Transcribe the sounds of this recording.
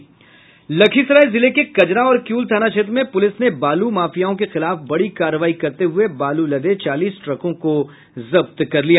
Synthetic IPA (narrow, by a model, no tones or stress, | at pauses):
lɐkʰisɾaːɪlzɪlekekɐd͡ʒɾaɔːɾkjuːlt̪ʰaːnat͡ʃʰeːt̪ɾmẽpʊlɪsnebaːlumaːfijaːõkexɪlaːfbɐɽikaːɾːəʋaːikɐɾt̪eɦʊebaːlulɐd̪et͡ʃaːliːsʈɾɐkõko | zɐbt̪kɐɾlija